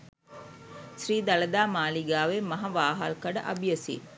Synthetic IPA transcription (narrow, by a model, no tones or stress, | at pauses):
ʃriːd̪ɐlɐd̪aːmaːliɡaːʋemɐɦɐʋaːɦaːlkɐɖɐʔɐbijɐsḭ